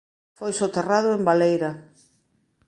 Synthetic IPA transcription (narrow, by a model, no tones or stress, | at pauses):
fojsot̪erað̞ʊembalejɾɐ